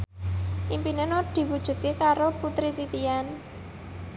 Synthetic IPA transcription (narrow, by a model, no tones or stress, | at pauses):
ʔimpinənod̪̥i̤wud̥ʒ̥ṳt̪ikaɾoput̪ɾit̪it̪ijan